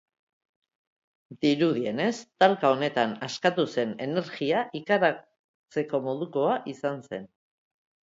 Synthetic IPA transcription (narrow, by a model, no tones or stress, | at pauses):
d̪iɾuðie̞ne̞st̪alkao̞ne̞t̪anaskat̪use̞ne̞ne̞ɾɣiaʔikaɾa | t͡se̞ko̞mo̞ð̞uko̞aʔisanse̞̰n